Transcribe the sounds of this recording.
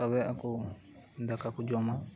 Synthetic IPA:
aβɛaku | d̪akakud͡ʒɔma

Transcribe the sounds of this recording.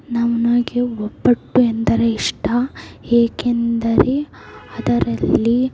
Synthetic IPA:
nɐʋɐnoːɡeopːɐʈːuend̪ɐɾeiʂʈɐeːkend̪ɐɾe | ɐd̪ɐɾɐlːi

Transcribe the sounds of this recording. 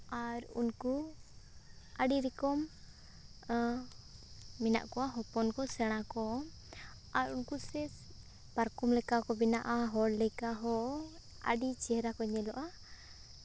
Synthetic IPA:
aɾṵnku | aɖiɾikɔm | mina̰ʔkɔwaɦɔpɔnkɔsɛɽ̃akɔ | aɾunkusɛs | paɾkumlɛkakɔbinaʔaɦɔɽlɛkaɦɔ | a̰ɖit͡ʃɛɾakɔɲɛlɔʔa

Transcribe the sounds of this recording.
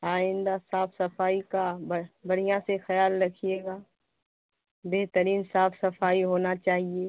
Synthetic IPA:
aːɪ̃nd̪asaːfsɐfaːikabbɐɽ̤ijãsexɐjaːlɾɐkʰijeːɡaː | beɦt̪əɾiːnsaːfsɐfaːiɦoːnat͡ʃaːɦie

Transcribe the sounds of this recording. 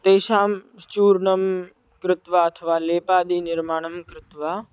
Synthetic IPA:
t̪eːʃaːmt͡ʃuːɾɳɐm | kɾɪt̪ʋaɐt̪ʰəʋaːleːpaːd̪iːnɪɾmaːɳ̃ɐmkɾɪt̪ʋaː

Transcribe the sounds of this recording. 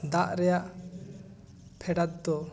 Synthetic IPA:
d̪aʔɾɛjaʔ | pʰɛɖat̪̚d̪ɔ

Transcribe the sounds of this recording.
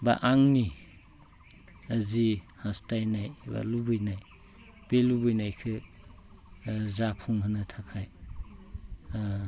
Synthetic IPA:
ba̰ʔaŋni | əzi | hastajnajba̰lubɯjnaj | b̥elubɯjnajkʰɯ | zapʰuŋɦɯnɯtʰakʰaj

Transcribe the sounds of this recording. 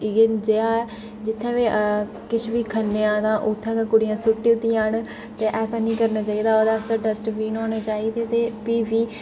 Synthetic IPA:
ɡend͡ʒeːaːɛː | d͡ʒɪt̪ʰːẽːʋeː | kɪt͡ʃʰʋiːkʰənːeãːt̪ãːʔʊt̪ʰːãːkeːkʊɽɪjãːsʊʈːiːʊt̪ːijãɦəɳ | t̪eːʔɛːsaːnĩːkəɾnaːt͡ʃaːiːd̪aːoːd̪aːst̪aːɖəsʈʋiːnoːneːt͡ʃaːiːd̪eːt̪eːpiːʋiː

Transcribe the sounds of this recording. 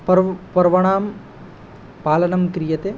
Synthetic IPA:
pɐɾpɐɾʋɐɳaːm | paːlɐnɐmkɾijɐt̪e

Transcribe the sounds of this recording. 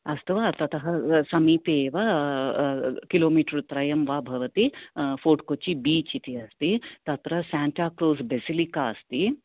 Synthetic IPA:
ɐst̪uʋaːt̪ɐt̪ɐɦɐsɐmiːpeːʋɐ | kiloːmiːʈɐɾut̪ɾɐjɐmʋaːbʱɐʋɐt̪ifoːʈkot͡ʃːibiːt͡ʃit̪iɐst̪it̪ɐt̪ɾɐsaːɳʈaːkɾuːsbesilikaːɐst̪i

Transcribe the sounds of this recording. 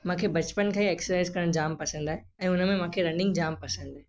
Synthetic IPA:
mãːkʰebɐt͡ɕpənkʰaĩeːksəsaɪzkɐɾəɽ̃d͡ʑaːmpɐsə̃nd̪aːɦe | ɛ̃ːʊnə̆mẽmãːkʰeɾɐ̃ɳɖɪ̃ŋɡd͡ʑaːmpɐsə̃nd̪aːɦe

